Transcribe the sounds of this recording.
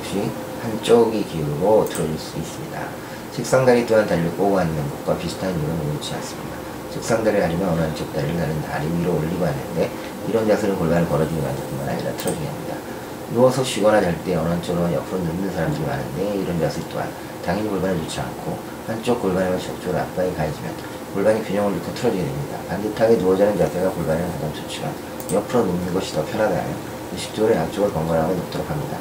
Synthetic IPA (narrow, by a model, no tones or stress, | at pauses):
p̚ɕ͈i | hant͡ɕ͈oɡikiuɾuɡotʰɯɾʌd͡ʑiɭs͈uis͈ɯmɲida̰ | t͡ɕʰɯk̚s͈aŋdaɾit͈oɦantaɾik͈oanːɯnɡok̚k͈wapisʰtʰanuɾɯnoɡout͡ɕʰia̰ns͈ɯmɲida | t͡ɕʰɯk̚s͈aŋdaɾiɦaɾimjʌnʌnɯɦant͡ɕ͈ok̚t͈aɾiɾɯɭtaɾɯnta̰ɾiiɾoːʎːiɡoɦanːɯnde̞ | iɾʌnd͡ʑasʰɯɾɯnkoɭbanɯɭkʌɾʌd͡ʑiɡima̰ndɯp͈onmana̰ɲḭɾa̰tʰɯɾʌd͡ʑiɡiɦamɲḭda̰ | nuʌsʰʌɕʰiɡʌnɦadeɭt͈e̞ʌnʌant͡ɕ͈ʰoɡɯɾomanjʌpʰɯɾonɯmnɯnsʰaɾamdɯɾima̰nɯ̰nde̞iɾʌnd͡ʑasʰɯit͈oa̰n | taŋiɲikoɭbanɯɭt͡ɕot͡ɕʰia̰nkʰo | hant͡ɕ͈ok̚k͈oɭbanemɯt͡ɕok̚t͡ɕ͈oɾɯɭa̰p̚p͈aikaed͡ʑimjʌn | koɭbaɲikjuɲʌŋɯɭokʰetʰɯɾʌd͡ʑiɡedwemɲida̰pandetʰaɡenuʌd͡ʑʌnɯnt͡ɕasʰeɡakoɭbanɦennsʰadamt͡ɕ͈ot͡ɕʰiɡa̰ | jʌpʰɯɾonɯmnɯnɡʌɕʰi̥tʌpʰjʌnɦwaɡɯɦa̰mjʌn | ɯɕʰi̥k̚t͡ɕ͈oɾeant͡ɕ͈oɡɯɭkʌŋɡaɭɦaɡonok̚t͈ɯɾʌpʰamɲida̰